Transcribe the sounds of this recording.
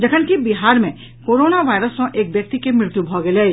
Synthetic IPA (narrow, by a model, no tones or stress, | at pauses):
d͡ʒɐkʰənkibiɦaːɾmẽ | koːɾoːnaʋaːjɾəsõʔeːk̚bjək̚t̪ikemɾɪɾt̪jubʱɔɡele